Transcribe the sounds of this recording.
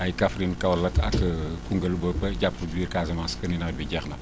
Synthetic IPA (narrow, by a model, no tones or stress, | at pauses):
ʔɐjkɐfɾinkɐwlɐkʰɐ̰kkuŋɡɐlbəpɐɟapːəbiːɾkaːzɐmanskɐninɐbiɟɛxnɐ